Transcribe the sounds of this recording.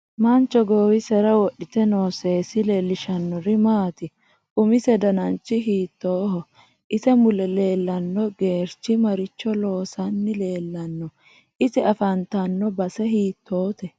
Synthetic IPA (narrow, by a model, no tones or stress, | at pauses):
mɐnt͡ʃːɔɡoːwɪsɛɾɐwɔɗɪt̪ɛno̞ːseːsɪleːlːɪʃɐnːɔɾɪmaːt̪ɪ | ʔʊmɪsɛd̪ɐnɐnt͡ʃːɪɦiːt̪ːoːɦɔ | ʔɪsɛmʊlɛle̞ːlːɐnːɔɡe̞ːɾt͡ʃːɪmɐɾɪt͡ʃːɔlo̞ːsɐnːɪle̞ːlːɐnːɔ | ʔɪsɛɐfɐnt̪ɐnːɔbɐsɛɦiːt̪ʰːoːt̪ɛ